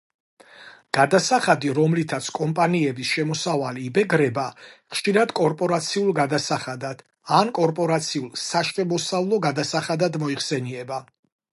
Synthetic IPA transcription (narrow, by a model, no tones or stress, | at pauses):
ɡ̥ad̪asaχad̪iɾɔmlit̪ʰat̪sʰkʼɔmpʼaniɛbisʃɛmɔsavaliːbɛɡɾɛbaχʃiɾad̪kʼɔɾpʼɔɾat̪sʰiulˠɡad̪asaχad̪ad̪̥ | ankʼɔɾpʼɔɾat̪sʰiulˠsaʃt̪ʼɛmɔsavlˠɔɡad̪asaχad̪ad̪mɔiχsɛniɛba